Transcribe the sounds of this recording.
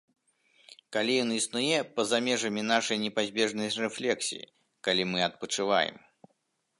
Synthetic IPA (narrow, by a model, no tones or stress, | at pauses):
kalʲijɔnisnujɛpɐzamʲɛʐɐmʲinaʂɐjnʲɛpazʲbʲɛʐnɐjrɛflʲɛksʲḭjḭ | kalʲimɨɐt̪̚pɐt͡ʂɨva̰jɛ̰m